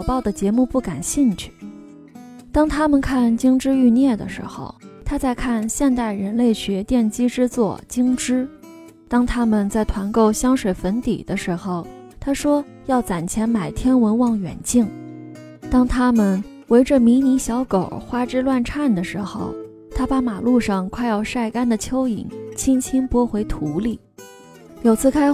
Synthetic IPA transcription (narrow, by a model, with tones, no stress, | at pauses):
pɑ˥˩ʊd̪ə˩t͡ɕjɛ˧˥mu˥˧pu˥˩ka˨˩nɕi˥˧nt͡ɕʰy̥˥˩ | t̪ɑ˥ŋt̪ʰa˥mə˨nkʰa˥˩nt͡ɕi˥ŋʈ͡ʂɻ̩˥y˥˧njɛ˥˩d̪ə̰˩ʂɻ̩˧˥xo̰˧ʊt̪ʰa˥t͡sa˥˧ɪkʰa˥˧nɕjɛ˥˧nt̪a˥˩ɪɻə˧˥nle˥˩ɪɕɥɛ˧˥t̪jɛ˥˩nt͡ɕi˥ʈ͡ʂɻ̩˥t͡swɔ̰˥˩t͡ɕi˥ŋʈ͡ʂɻ̩˥ | t̪ɑ˥ŋt̪ʰa˥mə˨nt͡sa˥˩ɪt̪ʰwa˧˥nko˥˩ʊɕjɑ˥ŋʂwe˨˩ɪfə˧˥nt̪ḭ˨˩d̪̥ə˦ʂɻ̩˧˥xo˧ʊ | t̪ʰa˥ʂwɔ˥ | jɑ˥˩ʊt͡sa˨˩nt͡ɕʰjɛ˧˥nma˨˩ɪt̪ʰjɛ˥nwə˧˥nwɑ˥˩ŋɥɛ̰˨˩nt͡ɕi˥˩ŋ | t̪ɑ˥ŋt̪ʰa˥mə˨n | we˧˥ɪʈ͡ʂə˧mi˧˥ni˧˥ɕjɑ˧˥ʊko˨˩ʊxwa˥ʈ͡ʂɻ̩˥lwa˥˧nʈ͡ʂʰa˥˩nd̪ə˩ʂɻ̩˧˥xo̰˥˧ʊ | t̪ʰa˥pa˧˥ma˨˩lu˥˧ʂɑ˥˧ŋkʰwa˥˧ɪjɑ˥˧ʊʂa˥˩ɪka˥nd̪ə˨t͡ɕʰjo˥ʊḭ˨˩˦nt͡ɕʰi˥ŋt͡ɕʰi˥ŋpwɔ˥xwe˧˥ɪt̪ʰu˧˥li˥˩ | jo˨˩ʊt͡sʰɹ̩˥˩kʰa˥ɪ